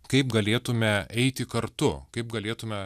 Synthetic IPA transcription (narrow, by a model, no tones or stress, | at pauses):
kɐɪpɡɐlʲeːt̪ʊmʲɛɛɪt̪ʲɪkɐɾt̪ʊkɐɪp̚ɡɐlʲeːt̪ʊmʲɛ